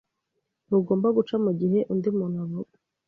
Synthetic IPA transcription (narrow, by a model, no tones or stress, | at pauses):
nuɡo̞ːmbaɡut͡ʃamuɟiɦe̞ʔundimuːn̥haβob